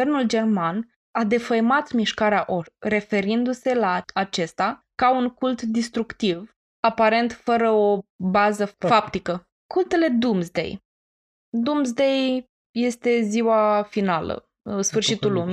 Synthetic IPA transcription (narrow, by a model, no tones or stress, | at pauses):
ernuld͡ʒe̞rman | ad̪e̞fəjmat̪miʃkaɾeaʔore̞fe̞ɾind̪use̞laːt͡ʃe̞st̪akauŋkult̪d̪ist̪ɾukt̪iv | apaɾe̞nt̪fəɾəo̞bazəfap̚t̪ikə | kult̪e̞le̞d̪umzd̪e̞̰j | d̪umzd̪e̞j | je̞st̪e̞ziwafinalə̰ | sfɨrʃit̪ulːumi